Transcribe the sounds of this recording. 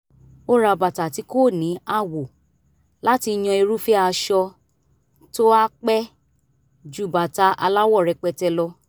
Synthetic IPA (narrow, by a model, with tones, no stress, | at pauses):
o˦ɾa˧ba˨ta˨ti˨˦ko˦˨nĩ˨˦a˦˨wo˨ | la˦ti˧j̃ɔ̃˧e˧ɾu˦fi˦a˧ʃɔ˧ | to˦a˦k͡pɛ˦ | d͡ʒu˦˨ba˨ta˨˦ʔa˧la˦wɔ˦˨ɾɛ˧k͡pɛ˧tɛ˧lɔ˧